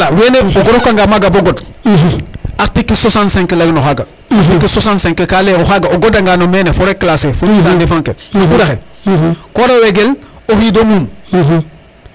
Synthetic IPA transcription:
laweːneoɡoɾokaŋɡamaɡaboɡod | atikːesosãnsẽŋkelaɡinohaɡa | atikːesosãnsẽŋkekaleohaɡaoɡodaŋɡanomenefoɾekːlasefonis̬andefãŋkenoudaxe | koɾaweɡel | ohiːdomuːm

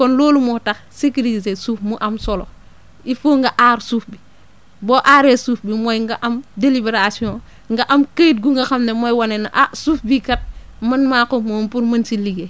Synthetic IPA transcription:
kɔnloːlumotɐxsikiɾis̬esuːfmuʔɐmsɔlo | ifoŋɡɐʔaːɾsuːfbi | bɔːʔaɾesufbimojŋɡaʔɐmdelibeɾasiõ | ŋɡaʔɐmkejt̚ɡuŋɡɐxɐmnemojwanenaʔasufbikɐt̚mɐnmakomompuɾmɐnsiliɡe

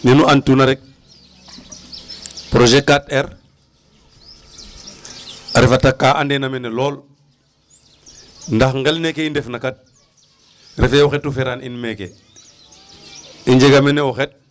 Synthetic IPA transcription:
nenuantunaɾɛk̚ | pɾoʒekːateɾ | aɾifatakːaʔandenamenelɔːl | ndaxŋɡelnekeindefnakat̚ | ɾʔefeɔxɛtːufeɾaninmekḛ | iɲd͡ʒeɡameneɔxet̚

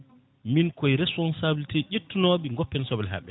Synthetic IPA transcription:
minkɔjɾɛspɔnsabiltɛʔetːunɔɓiŋɡɔpːɛnsɔbɛlɦa̰ɓːɛ

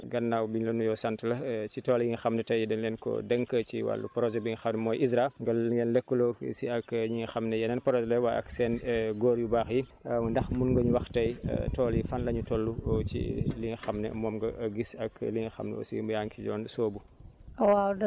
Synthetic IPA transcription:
ɡɐnːawbiɲlɐnujɔsantlɐsitɔːljiŋxɐmnɛtɐjidɛnlɛnkɔ̰dɛŋkət͡ʃḭwa̰lːṵpɾɔzɛbiŋxɐmnɛmɔːjʔisɾaŋɡɐɡɛnlɛkːəlɔsiɐkjiŋxɐmnɛjɐnɛnpɾɔzlɛwaɐ̰ksɛːnɡɔːɾjubaːxji | ndɐxmunŋɡɐɲuwɐxtɐj̰tɔːljifanlɐɲutɔlːut͡ʃḭliŋxɐmnɛ̰mɔːmɡɐʔɡisɐkliŋxɐ̰mnɛ̰ɔ̰sḭmujaŋkiɟɔːnsoːbu | wawdɐ

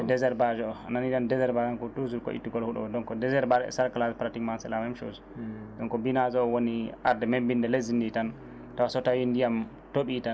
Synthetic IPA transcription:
ɛdɛzɛɾbad͡ʒɔɔa̰nanitandɛzɛɾbad͡ʒankɔtuzulkɔ̰ʔḭtːiɡɔlhuɗɔ̰ɔdɔnkɔdɛzɛɾbaɾɛ̰saɾkalaspɾatikmansɛlamɛmʃo̰z | dɔŋkɔbinazɔːwoniʔaɾdɛmembindɛlezinditan | tawasɔtajindijam | toɓitan

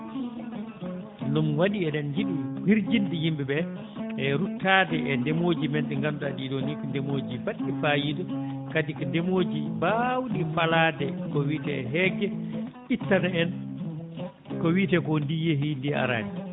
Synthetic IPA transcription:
numwaɗiɛɗɛnjiɗuhiɾd͡ʒindijimbɛbɛ | ɛɾutːaːdɛʔɛndɛmoːd͡ʒimɛntɛŋɡandaɗidɔnikndɛmoːd͡ʒibaɗːifajidɔ | kadikɔndɛmoːd͡ʒibawɗifalaːdɛkɔwiːtɛɛɦɛːɡɛ | itːanaɛn | kɔwitɛkɔndijeɦindia̰ɾa̰ni

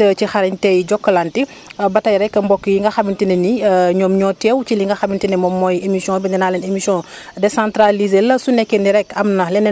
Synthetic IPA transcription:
ət͡ʃixaɾɛɲtɛjɟɔkːəlanti | bɐtɐjɾɛkːɐmbɔkːəjiŋɡɐxamintinɛniɲɔmɲɔːtɛwt͡ʃiliŋɡɐxamintinɛmɔmːɔjemisjɔ̃ːbindɛnaːlɛnemisiɔ̃ | dɛsãntɾalizelɐsunɛkːeniɾɛkɐmnɐlɛnɛ

